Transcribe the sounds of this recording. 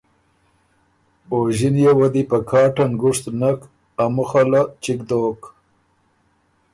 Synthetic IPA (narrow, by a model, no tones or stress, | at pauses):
oʒinjewad̪ipakʰɑːʈanɡʊʂt̪nak | amuxalat͡ʃikd̪ok